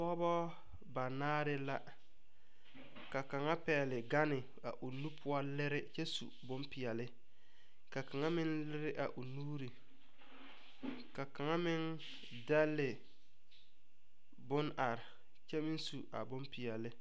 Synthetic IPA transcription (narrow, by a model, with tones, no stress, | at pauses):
pɔ˦bɔ˦ | ba˨naː˦ɾɪ˦la˦ | ka˨ka˨ŋa˦pɛː˨lɪ˨ɡa˦nɪ˨ | a̰˨ʔʊ˨nu˦pʰʊ˦ɔ˦lɪ˦ɾɪ˦t͡ʃɛ˦sṵ˨bʊ˦mpɪ˨ɛ˨lɪ˦ | ka˨ka˨ŋa˦mɪ˦nlɪ˦ɾɪ˦ʔa̰˨ʔʊ˨nuː˦ɾi˨ | ka˨ka˨ŋa˦mɪ˦n | da˦lːɪ˨ | bʊ˦na˨ɾɪ˨ | t͡ʃɛ˦mɪ˦nsu˨a̰˨bʊ˦mpɪ˨jɛ˨lɪ˦